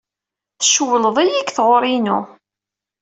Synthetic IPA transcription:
θəʃwələðˤijikːθʁoɾˤinʊ̰

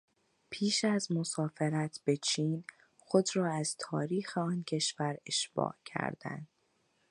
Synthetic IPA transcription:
pʰiːʃæzmo̞sɒːfe̞ɾæt̪ʰb̥e̞t͡ʃʰiːn | xo̞d̪ɾɒːæzt̪ʰɒːɾiːxeɒːncʰe̞ʃvæɾe̞ʃb̥ɒ̰ːʔcʰæ̰ɾd̪̥æ̰nd̪̥

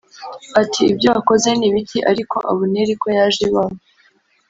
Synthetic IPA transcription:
atʰiːbɟo̞ako̞ze̞niβitʰiʔaɾiko̞ʔaβuneɾiko̞jaʒiβamo

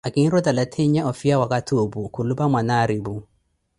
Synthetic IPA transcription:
ʔakinɾodalatʰeɲjaʔɔfijawakatʰoːbukulubamanaɾibu

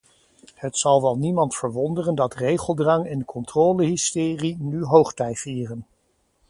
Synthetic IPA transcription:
hətsɑlˠʋɛlˠnimɑntfəɹʋɔndərəndɑtrejχəlˠdrɑŋɪnkʰɔntroːləɦɪstɪːrinyɦowχtɛjfiːrən

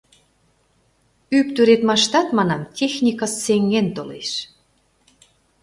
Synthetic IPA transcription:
yp̚t̪øɾet̪mɑʃt̪ɑt̪mɑnɑmt̪ʲexnʲikəsːeŋːent̪olḛʃ

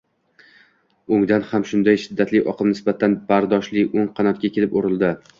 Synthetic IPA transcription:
oŋd̪anhamʃʊnd̪ajʃɪd̪ːat̪ʰlɪʔɒqʰɨmnɪsbat̪ʰanb̥aɾd̪ɒʃlɪʔoŋqʰɑnɒt̪̚kʲakʲʰe̞lɪpoɾɪlˠd̪ɪ

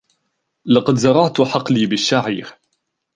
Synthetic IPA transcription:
lɑqɑd̪zɑɾˤɑʕt̪ħɑqliːbɪʃːaʕḭːɾ

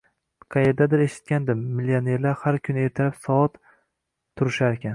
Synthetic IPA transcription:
qʰɑjeɾd̪ad̪ɪɾeʃɪ̥t̪̚kʲand̪ɪmːɪlione̞ɾlaɾhaɾkʲʰʊneɾt̪ʰɪɾapsɒɒt̪ʰː | ʊɾɪʃaɾekʲan

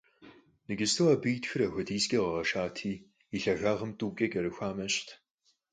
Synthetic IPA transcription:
nɨɡɪstʰɨwɐːbɨːtxɨɾɐxʷɐdiːskʲʼɐʁɐʁɐʃaːtʰiː | iɬɐʁʷaːʁɐmtʼuːkʲʼɐɡɐɾɨxʷaːmɐɕtʰ

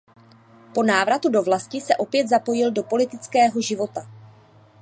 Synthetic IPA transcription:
po̞naːvɾat̪udo̞vlascɪsɛʔo̞pjɛd̪zapo̞jɪldo̞po̞lɪt̪ɪt͡skɛːɦo̞ʒɪvo̞t̪a

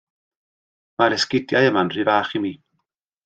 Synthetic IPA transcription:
maɾɛskɪdjajəmanr̥ivaːχimiː

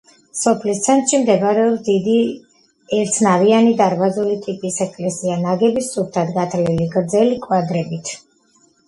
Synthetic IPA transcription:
sɔpʰlist̪sʰɛnt̪ʼʃimd̪ɛbaɾɛɔpsd̪id̪i | ɛɾt̪sʰnavianid̪aɾvazulit̪ʼipʼisɛkʼlɛsianaɡɛbist̪sʼup̚t̪ʰad̪ɡat̪ʰliliɡɾd̪zɛlikʼwad̪ɾɛbit̪ʰ

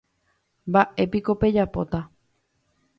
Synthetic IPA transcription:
mbaʔe̞piko̞pe̞d͡ʒapo̞̰t̪a

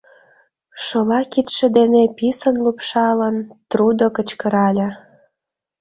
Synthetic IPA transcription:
ʃolɑkit̪ʃĕd̪enepisənlupʃɑlənt̪rud̪okət͡ɕkə̆ɾɑlʲə̆

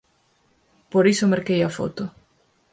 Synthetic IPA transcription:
poɾisʊmeɾkejafo̰t̪ʊ

